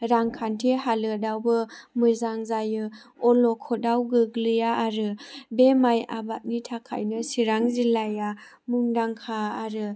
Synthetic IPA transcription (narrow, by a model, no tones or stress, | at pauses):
ɾaŋkʰantʰeɦalɯdawbɯmɯzaŋzajɯ | ɔlɔkʰɔdawɡɯɡlɯjaːɾɯbemaja̰bat̚nitʰakʰa̰jnɯsiɾaŋzilaja | muŋdaŋkʰaːɾɯ